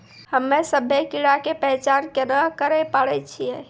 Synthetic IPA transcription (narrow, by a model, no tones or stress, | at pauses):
həmːesəbʱekiɽakepəɦt͡ʃankenəkəɾɛpaɽɛt͡ʃʰije